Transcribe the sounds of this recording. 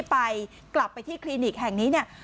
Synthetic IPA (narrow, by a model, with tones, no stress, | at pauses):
pa˧j | kla˨˩pːa˧jt̪ʰiː˥˩kʰliː˧niː˨˩k̚ɦɛ˨˩ŋniː˦˥ni˥˩ɐ